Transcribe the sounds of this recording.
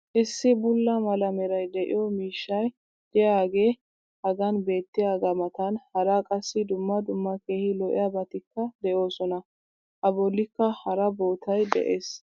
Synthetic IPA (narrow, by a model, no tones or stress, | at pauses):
ʔɪsːɪbʊlːɐmɐlɐmɛɾɐjd̪ɛʔɪ̰jɔmiːʃːɐj | d̪̥ɪjaːɡe̞ː | hɐɡɐnbe̞ːt̪ːɪjaːɡɐmɐt̪ɐnhɐɾakʼɐsːɪd̪ʊmːɐd̪ʊmːɐkeːhɪlɔʔɪ̰jɐbɐt̪ɪkːɐd̪ɛjo̞ːsɔnɐ | ʔɐbɔlːɪkːɐhɐɾɐbo̞ːt̪ʰɐjd̪ɛ̰ʔeːs